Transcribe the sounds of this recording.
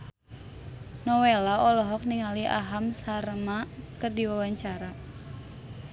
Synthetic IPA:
nɔwelaɔlɔɦɔk̚niŋaliʔa̰ɦamsaɾmakɨrdiwawaɲt͡ʃaɾa

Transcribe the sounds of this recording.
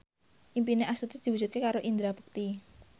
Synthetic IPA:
ʔimpineʔast̪ut̪id̪̥i̤wud͡ʒ̥ut̪̚kekaɾoʔind̪ɾabə̥k̚t̪i

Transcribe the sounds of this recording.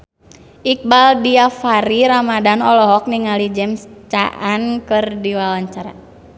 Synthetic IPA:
ʔik̚baldiafaɾiɾamadanɔlɔɦɔk̚niŋalid͡ʒɛmst͡ʃa̰ʔankərdiwawaɲt͡ʃaɾa̰

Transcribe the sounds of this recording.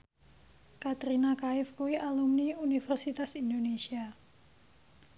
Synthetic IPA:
kat̪ɾinakaɪfkuiʔalumniunifɛrsit̪asind̪onesia

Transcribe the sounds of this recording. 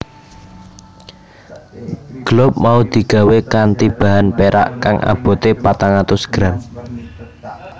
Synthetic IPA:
ɡ̥əlʊp̚maud̪̥i̤ɡ̥a̤wekant̪ib̥a̤ɦanpeɾa̰ʔkaŋʔa̰b̥o̤t̪epat̪aŋat̪ʊsɡ̥ɾan

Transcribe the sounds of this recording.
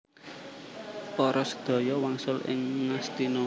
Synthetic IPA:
pɔɾɔsə̥d̪̥ɔ̤jɔwaŋsʊlɪ̰ŋːast̪inɔ

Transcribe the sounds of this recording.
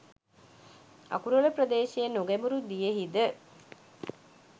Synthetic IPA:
a̰kuɾuləprəd̪eːʃejenoɡæmuɾud̪ijəɦid̪ə

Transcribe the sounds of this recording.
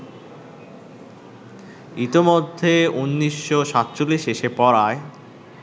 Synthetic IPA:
it̪imod̪ʱːeunːiʃːoʃat̪ːt͡ɕolːiʃeʃepɔɾae

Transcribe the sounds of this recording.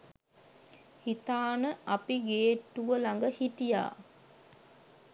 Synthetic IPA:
hit̪aːnəapiɡeːʈːuʋəlaŋɡəhiʈija̰ː

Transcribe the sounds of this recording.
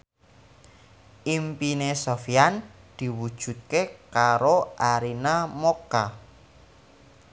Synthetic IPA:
ʔimpinesofiand̪̥i̤wud̥ʒ̥ṳt̪̚kekaɾoʔaɾinamoka

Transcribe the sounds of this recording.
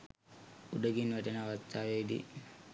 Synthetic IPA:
uɖəɡinʋɛʈənəaʋast̪ːaːʋedḭ

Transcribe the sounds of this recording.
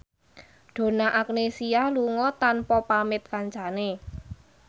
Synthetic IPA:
ɖ̥o̤naʔak̚nesialuŋɔt̪anpɔpamɪt̪̚kaɲt͡ʃane

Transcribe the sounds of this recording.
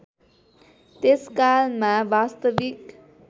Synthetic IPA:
t̪eskalmãʋaːst̪əʋik

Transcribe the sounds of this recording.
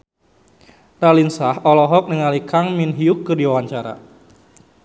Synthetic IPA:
ralinsahɔlɔɦɔk̚nəŋalikaŋminɦiʊkːɨrdiwawaɲt͡ʃaɾa̰

